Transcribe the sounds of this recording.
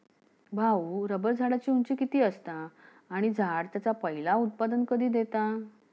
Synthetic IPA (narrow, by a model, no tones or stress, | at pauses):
bʱawɾəbəɾd͡zʱaɽat͡ɕiːuɲt͡ɕiːkit̪iːəst̪aː | ɽ̃id͡zʱaɽt̪jat͡sapəɦilaut̪̚pad̪ənkəd̪ʱiːd̪et̪a